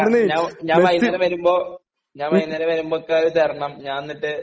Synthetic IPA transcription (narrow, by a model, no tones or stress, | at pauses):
ɾnːɲaːɲaːɐjinːɐɾɐmʋɐɾumbo̞ː | ɲaːnʋɐjnːɐɾɐʋɐɾumbokːeðɨt͡ɕeːrɐɳɐmɲaːnenːiʈːɨ